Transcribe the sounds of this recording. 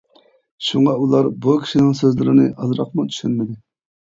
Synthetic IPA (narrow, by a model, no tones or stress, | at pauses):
ʃuɴɑulˠɑɾbukʲʰi̥ʃinɪŋsøzlɪɾɪnɪʔɑzɾɑqmʊt̪ʰy̥ʃynmɪd̪ɪ